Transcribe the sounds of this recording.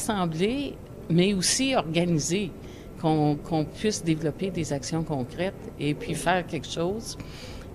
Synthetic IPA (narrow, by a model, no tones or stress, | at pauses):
sɑ̃ːble | mɛosiɔʁɡanize | kɔ̃kʰɔ̃pɥɪsd̪evlɔped̪ezaksjɔ̃kɔ̃ːkʁɛt̪epʰɥifɛːʁkʲɛlkʃɔːz